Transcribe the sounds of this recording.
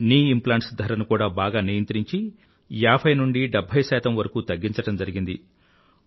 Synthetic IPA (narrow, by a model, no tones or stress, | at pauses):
niːimplaːɳʈsd̪ʱɐɾɐnukuːɽaːbaːɡaːniːjɐnt̪ɾiɲt͡ʃi | jaːbʰʱɐjnuɳɖiɖɛbʱːɐjsɛːt̪ɐmʋɐɾɐkuːt̪ɐɡːiɲt͡ʃɐʈɐmd͡ʒɐɾiɡind̪ḭ